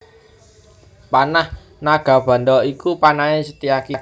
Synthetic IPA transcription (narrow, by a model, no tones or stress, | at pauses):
panah | naɡ̥a̤b̥a̤nd̪ɔikupanaesət̪ijaki